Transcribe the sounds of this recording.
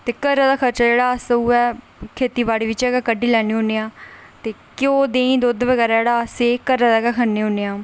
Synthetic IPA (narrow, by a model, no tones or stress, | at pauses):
t̪eːkəɾːaːd̪aːkʰəɾt͡ʃaːd͡ʒeːɽaːəsəuːɛː | kʰeːt̪iːbaːɽiːʋɪt͡ʃɛːɡakəɖːiːlɛːniːɦoːneːãː | t̪eːkɪõːd̪eːĩːd̪oːd̪ʋəɡɛːɾaːd͡ʒeːɽaːseːkəɾːaːd̪aːɡaːkʰənːeːoːneːãː